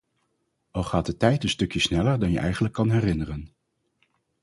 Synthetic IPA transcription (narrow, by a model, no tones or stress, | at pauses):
ɑlˠχaːt̚dətɛjtənstɵkjəsnɛləɹdɑnjə̰ʔɛjχənləkːɑnɦɛrɪnərən